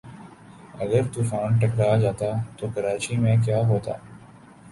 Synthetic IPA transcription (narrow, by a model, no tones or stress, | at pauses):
ɐɡəɾt̪uːfaːnʈɐkɾad͡ʒaːt̪at̪okɐɾaːt͡ʃimẽk̬jaːɦoːt̪a̰ː